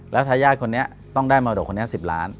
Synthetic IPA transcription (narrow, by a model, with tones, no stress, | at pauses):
lɛː˦˥wt̪ʰaː˧jaː˥˩kʰo˧nːi˦˥ɐ | t̪ɔ˥˩ŋdaː˥˩jmaː˧do˨˩kʰo˧ni˦˥˩si˨˩p̚la̰ː˦˥n